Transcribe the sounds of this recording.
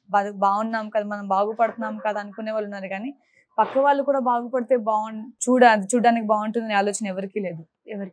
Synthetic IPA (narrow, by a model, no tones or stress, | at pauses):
bɐd̪baːunːaːmukɐd̪aːmɐnɐmbaːɡupɐɽut̪unːaːmukaːd̪aɐnukuneːʋaːlunːaːɾuɡaːni | pɐkːɐʋaːɭːukuːɽaːbaːɡupɐɽit̪e̞ːbaːunt͡ʃuːɽaːd̪it͡ʃuːɽɖaːnikibaːuɳʈund̪ɐniaːloːt͡ʃɐnɐɛʋɐɾikiːle̞ːd̪u | ɛʋɐɾi